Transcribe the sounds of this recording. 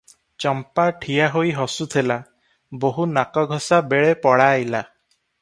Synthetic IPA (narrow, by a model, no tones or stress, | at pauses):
t͡ʃɔmpaʈʰijaɦojɦɔsut̪ʰela | boɦunakɔɡʱɔsabeɭepɔɽajla